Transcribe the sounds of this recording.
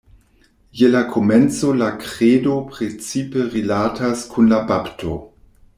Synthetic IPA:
jelakʰoment͡solakʁedopʁet͡sipeʁilatʰaskʰunlabaptʰo̰

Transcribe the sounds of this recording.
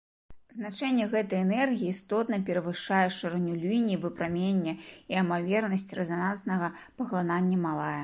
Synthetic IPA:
zn̪at͡ʂɛnʲːɛɣɛt̪ɐjɛnɛrɣʲijiːst̪ɔt̪nɐpʲɛɾɐvɨʂajɛʂɐrnʲulʲujnʲivɨpɾamʲenʲːɐiɐmavʲɛrnɐsʲt͡sʲrɛzanansnɐɣɐ | pɐɣlˠananʲːɐmalˠajɛ

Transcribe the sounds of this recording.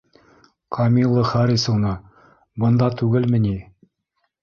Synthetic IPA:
kʰɐmʲilˠːəχæɾisunɤ | bɤ̆nd̪ɑt̪ʉɡɘlmɘ̆ni

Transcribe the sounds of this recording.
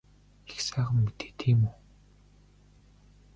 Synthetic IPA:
e̥xsaːʁə̆mːit̪e̥ːt̪ʰiːmuː

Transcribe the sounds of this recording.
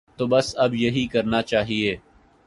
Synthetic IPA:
t̪oːbɐsɐbjɐɦikɐɾnat͡ʃaːɦieː

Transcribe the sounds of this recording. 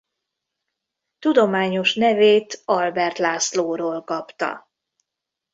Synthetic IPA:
t̪ud̪o̞maːɲo̞ʃnɛveːt̪ɒlbɛrt̪laːsloːɾoːlkɒpt̪ɒ̰

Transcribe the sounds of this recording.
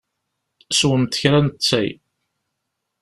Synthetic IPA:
swəmt̪ə̥çɾænt̪t͡sːæ̰j

